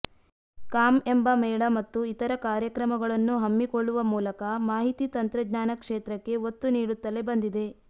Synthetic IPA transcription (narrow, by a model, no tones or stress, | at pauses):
kaːme̞mbɐmɛːɭɐmɐt̪ːuit̪ɐɾɐkaːɾjɐkɾɐmɐɡɐɭɐnːuɦɐmːikoɭːuʋɐmuːlɐkɐmaːɦit̪it̪ɐnt̪ɾɐdnaːnɐkʂeːt̪ɾɐkːe̞ot̪ːuniːɽut̪ːɐle̞bɐnd̪id̪e̞